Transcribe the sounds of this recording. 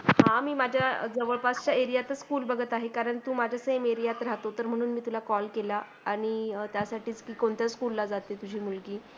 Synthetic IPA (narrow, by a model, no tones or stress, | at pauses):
hãmiːmad͡ʑʱjad͡zəʋəɭpast͡ɕaeɾijat̪əskuːlbəɡʱət̪aɦekaɾəɳt̪uːmad͡ʑʱjasemeɾijat̪ɾaɦt̪ot̪əɾm̤əɽ̃uːnmiːt̪ulakɔlkela | aɽ̃it̪jasaʈʰiːt͡skiːkoɳt̪jaskulːad͡zat̪et̪ud͡ʑʱiːmulɡiː